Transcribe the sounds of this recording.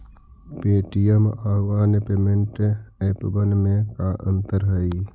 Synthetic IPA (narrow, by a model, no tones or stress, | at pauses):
peːʈijəmaːʋaːnepeːmeɳʈepbənmẽkaʔə̰̃nt̪əɾɦəi